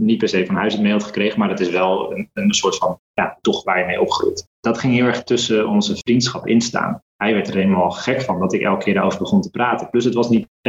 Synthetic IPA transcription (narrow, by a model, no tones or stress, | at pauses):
nit̚pɛɹsejfɑnɦœɥsətmejɑtχə̥krejχənmaːɾətɪsʋɛlˠənənsʊːɹtfɑnja̰tɔχʋaːɹjəmejɔpχərṵjt | d̥ɑtχɪŋɦɪːlˠɛɹχtɵsəɔnzəvrintsχɑpɪ̰nsta̰ːn | ɦɛjʋɛɹtreləmaːlˠχɛkfɑndɑtɪkɛ̰lˠkəkʰɪːɹdaowvəɹbəχɔntə̥praːtəplɵs̬ɦətʋɑsnit